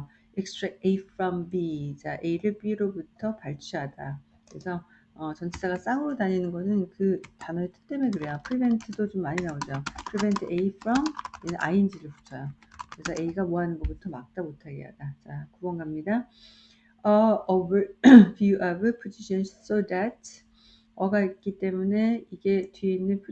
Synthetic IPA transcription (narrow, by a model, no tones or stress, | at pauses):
ekstʰɾak̚eipʰɾʌmbit͡ɕaʔe̞iɾɯɭp͈iɾobutʰʌpaɭt͡ɕʰiɦada | kɯɾe̞sʰʌ | ʌt͡ɕʌnt͡ɕʰi̥s͈aɡas͈aŋudaɲinɯnɡʌnɯnkɯtanʌetʰɯ̥k̚t͈emekɯɾejopʰɾibe̞ntʰɯdot͡ɕomːaɲinaod͡ʑopʰɯɾibe̞ntʰɯeipʰɾʌminɯnʔa̰ind͡ʑiɾɯɭpu̥t͡ɕʰʌjo | kɯɾe̞sʰʌʔe̞iɡamoɦanɯnɡʌbutʰʌmak̚t͈amotʰaɡe̞̰ɦa̰d̥at͡ɕakubʌnɡamɲida | ʌobbjuʔʌbɯpʰud͡ʑiɕʰʌnɕis͈odatʰ | ʌɡaik͈it͈e̞mune̞iɡe̞tɥiːnːɯnpʰ